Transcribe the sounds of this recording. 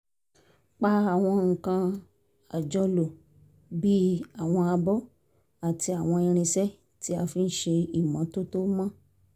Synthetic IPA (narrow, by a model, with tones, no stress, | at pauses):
k͡pa˧a˨w̃ɔ̃˧ŋ̩˨kã˧ | a˨d͡ʒɔ˧lo˨ | bi˦a˨w̃ɔ̃˧a˧bɔ˦ | a˨ti˧a˨w̃ɔ̃˧i˧ɾ̃ĩ˧sɛ˦ | tʰi˦a˧fi˧n̩˦ʃe˧i˨mã˨˦to˦to˦mã˦